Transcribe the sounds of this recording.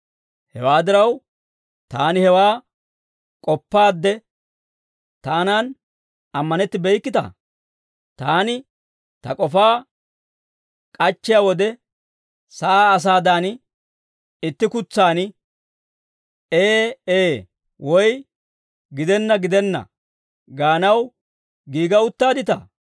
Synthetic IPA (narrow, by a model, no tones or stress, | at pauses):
hɛ̰waːd̪ɪɾɐw | t̪aːnɪhɛwaː | kʼɔpːaːd̪ːɛ | t̪aːnaːn | ɐmːɐnɛt̪ːɪbɛjkːɪt̪ɐ̰ | t̪aːnɪ | t̪ɐkʼɔfaː | kʼɐt͡ʃːɪjawɔd̪ɛ | sɐaːs̬aːd̪anɪ | ɪt̪ːɪkʊt͡sːaːnɪ | eːeː | wʔɔj | ɡɪd̪ɛnːɐɡɪd̪ɛnːɐ̰ | ɡaːnɐw | ɡiːɡɐʊt̪ːaːd̪ɪt̪ɐ̰